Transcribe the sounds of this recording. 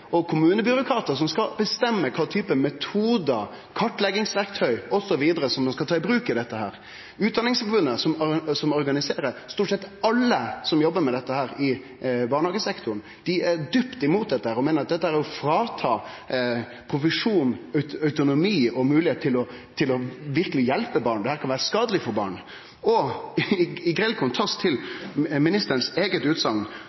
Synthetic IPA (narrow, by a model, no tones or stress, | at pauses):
ɔkʰʊmʉːnəbʏɾʊkʰɾɑːt̪əsɔmskɑbəst̪ɛmːəkʰɑːt̪ʰyːpəmɛt̪ʰuːd̪ə | kʰɑʈːlɛɡɪŋsʋæɾk̚t̪ʰœʏɔsɔʋiːd̪əɾəsɔmd̪ɛnskɑlt̪ʰɑːɪbɾʉːkɪd̪ɛt̪ːəɦæːɾ | ʉːt̪̚d̪ɑnːɪŋsfɔɾbʉnːəsɔmsɔmɔɾɡɑnɪseːɾəst̪uːʈsɛt̪ːɑlːəsɔmjɔbːəɾmɛd̪ɛt̪ːəhæːɾɪ | bɑːɾɳəhɑːɡəsɛkt̪ʊɾn | d̪̥ɪæɾd̪ʏpt̪ɪmuːt̪̚d̪ɛt̪ːəhæːɾɔmeːnəɾɑt̪̚d̪ɛt̪ːəhæːɾæɾɔfɾɑːt̪ʰɑː | pʰɾʊfəʂuːnœœʉt̪ʊnʊmiːɔmʉːlɪheːt̪ʰːɪlɔ | t̪ʰɪlɔʋɪɾkəlɪjɛlpəbɑːɳd̪ɛhæːɾkʰɑnʋæːɾəskɑːd̪əlɪfɔɾbɑ̰ːɳ | ɔ | ɪɡɾɛlkʰʊnt̪ʰɑst̪ʰːɪlmɪnɪst̪əɾənseːɡət̪ʉːt̪sɑŋ